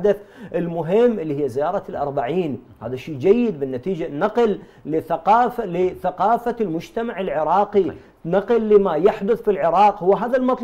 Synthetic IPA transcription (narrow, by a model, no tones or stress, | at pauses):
ad̪aθʔɪlmʊɦɪmːʔɪlːihɪjːazɪjɑːɾˤɑlʔɑɾˤbaʕiːn | ha̰ːðaʃiːd͡ʒajːɪd̪̚bɪnːat̪iːd͡ʒanːɑqlː | ɪθaqɑːflɪθaqɑːfalmʊd͡ʒt̪amaʕɪlʕɪɾˤɑːqi | nɑqɨlːɪmajaħd̪ʊθfilʕɪɾˤɑːqhʊwːaɦaːðalmɑt̪ˤl